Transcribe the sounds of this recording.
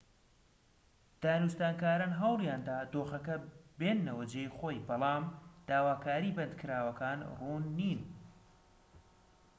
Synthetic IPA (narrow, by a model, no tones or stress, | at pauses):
d̪̥aːnust̪aːnkaːɾaːnɦɑwlˠjaːnd̪aːd̪oːxɐkɐbenːɐwɐd͡ʒeːjχoːjbɑlˠɑːmd̪̥aːwaːkaːɾiːbɐnd̪kʰɨɾaːwɐkaːnruːnːiːn